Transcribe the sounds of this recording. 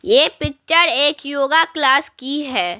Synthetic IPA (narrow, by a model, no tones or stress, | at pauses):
jeːpɪk̚t͡ʃəɾeːkjoːɡaklaːskiɦɛː